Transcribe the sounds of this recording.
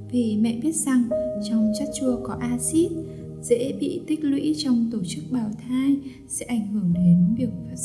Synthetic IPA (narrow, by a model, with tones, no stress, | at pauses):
vi˨˩mɛ̰˧˨ɓi˦˥ət̚za˨˩ŋt͡ɕɔ˧wŋ͡mt͡ɕa˦˥t̚t͡ɕu˧əkɔ˨˦ʔaː˧si˦˥t̚ | zḛ˧˥ɓḭ˧˨t̪ï˦˥k̟̚lwḭ˧˥t͡ɕɔ˧wŋ͡mt̪o˧˩t͡ɕɨ˦˥k̚ɓaː˨˩wt̪ʰaː˧j | sɛ̰˧˥ʔa˧˩jŋ̟hɨ˧˩əŋɗe˨˦˨vi˨˩ək̚fa˦˥